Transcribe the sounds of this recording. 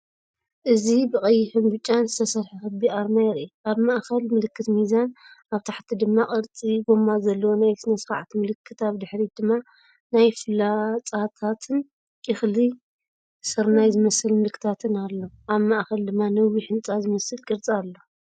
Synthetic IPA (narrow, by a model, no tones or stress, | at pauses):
ʔɨzibɨkʼɐjːɪħɨnbɨt͡ʃʼːanzɨt̪ʰɐsɐɾħixɨbiʔaɾmajɪɾʔiʔaβmaʔxɐlmɨlɨkʰːɨt̪mizanaβt̪ʰaħt̪ʰid̪ɨmːakʼɨɾt͡sʼiɡo̞mazɐlːɐwonajsɨnɐsfa̰ʕt̪mɨlɨkʰːɨt̪aβd̪ɨħɾid̪ɨmːa | najfɨlːat͡sʼat̪ʰat̪ʰɨn | kʼɪxli | sɨɾnajzɨmɐsɨlmɨlkʰːɨ̥t̪ʰat̪ʰɨnalːoʔaβmaʔxɐld̪ɨmːanɐwiħɨnt͡sʼazɨmɐsɨlkʼɨɾt͡sʼialːo